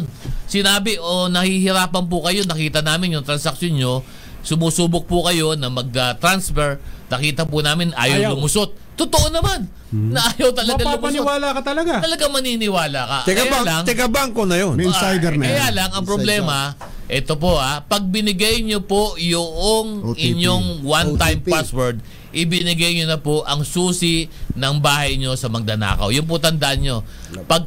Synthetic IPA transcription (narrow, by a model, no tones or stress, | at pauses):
nsɪnaːbɪʔonɐhihɪɾaːpɐnp̬ʊkɐjo̞nɐkiːt̪ɐnaːmɪnjʊŋt̪ɾɐnsɐk̚sjonɲo̞ | sʊmuːsuːbʊk̚pʊkɐjo̞nɐmɐɡ̚ɐt̪ɾansfɛɹnɐkiːt̪ɐpʊnaːmɪnʔa̰ːjɐwlʊmʊsot̪̚ːʊt̪oʔonɐmanː | ɐʔaːjɐwt̪ɐlɐɡalʊmɪwaːlakɐt̪ɐlɐɡat̪ɐlɐɡaŋmɐniːnɪwaːlakɐʔ̪kjalaŋt̪ɪkɐbaŋkonɐjonmsajd̪ɛɾnɐkjɐjaːlɐŋɐŋpɾoblɛːmɐ | ʔɛt̪o̞p̬o̞ʔapɐɡ̚bɪnɪɡajɲopo̞joʔoŋɪɲoŋwant̪ajmpaswɛɹd̪̚ | ʔɪbɪnɪɡɐjɲonɐpo̞ʔɐŋsuːsɪnɐŋbaːhɐjɲo̞sɐmɐɡ̚d̪ɐna̰ːkɐ̰wjʊnp̬ot̪ɐnd̪ɐʔanɲo̞ | pɐɡ̚